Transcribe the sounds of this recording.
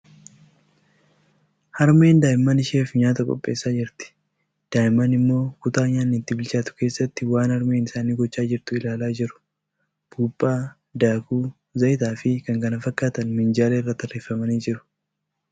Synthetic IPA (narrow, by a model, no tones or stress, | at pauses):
hɐɾme̞ːnd̪aːjɪmːɐnɪʃeːfɲaːt̪ɐkʼɔ̰pʼːe̞ːsːaːd͡ʒɪɾt̪ɪ̥ | d̪̥aːjɪmːɐnɪmːo̞ːkʊt̪aːɲaːnːɪt̪ːɪbɪlt͡ʃaːt̪ʊ̥ke̞ːsːɐt̪ːɪwaːnɐɾme̞ːnɪsaːniːɡɔt͡ʃːaːd͡ʒɪɾt̪ʊɪlaːlaːd͡ʒɪɾʊ̥ | b̥uːbʼːaː | d̪aːkuː | zɐjɪt̪aːfɪkɐŋkɐnɐfɐkʼːaːt̪ɐnmɪnd͡ʒaːleɪrːɐt̪ːɐreːfɐmɐniːd͡ʒɪɾʊ̥